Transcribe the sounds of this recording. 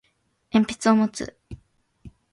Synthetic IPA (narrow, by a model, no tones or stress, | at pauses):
ẽ̞mpʲi̥t͡sɨo̞mot͡sɨ̰